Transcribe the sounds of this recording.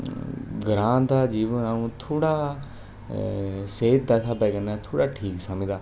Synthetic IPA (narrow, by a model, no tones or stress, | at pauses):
ɡɾãːnd̪aːd͡ʒiːʋə̃aːũːt̪ʰoːɽaː | seːt̪̚d̪aːt̪ʰaːbɛːɡənɛːt̪ʰoːɽaːʈʰiːksəmĩd̪aː